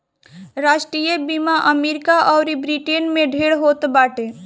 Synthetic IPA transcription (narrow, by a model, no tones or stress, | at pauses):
ɾaːʃʈɾiːjəbiːmaʔəmeːɾɪkaʔɔːɾibɾiʈenmẽɖʱeːɽɦoːt̪baːʈe